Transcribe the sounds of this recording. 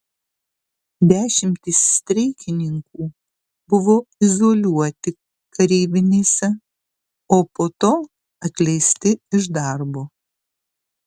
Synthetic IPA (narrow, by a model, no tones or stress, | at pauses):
d̪ʲæːʃʲɪmʲt̪ʲisːʲt̪ʲɾʲɛɪkʲɪnʲɪŋkuː | bʊʋoːɪzoːlʲuɔt̪ʲɪ | kɐɾʲiːbʲɪnʲeːsʲɛ | oːpoːt̪oː | ɐt̪ʲlʲɛɪsʲt̪ʲɪɪʒd̪ɑɾboː